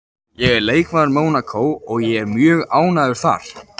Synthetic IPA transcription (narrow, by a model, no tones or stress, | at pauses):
jɛɣɛɾleːjkvaɾmoːwnakʰowɔɣjɛɛɾmjœːɣaːwnaðʏɾ̥θa̰ɾ̥